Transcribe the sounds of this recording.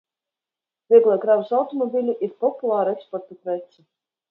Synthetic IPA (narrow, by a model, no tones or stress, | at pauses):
vʲiɛɡlˠakɾavsawt̪omobʲilʲiʔiɾpɔpulˠaːɾekspɔrt̪upɾɛt̪sʲɨ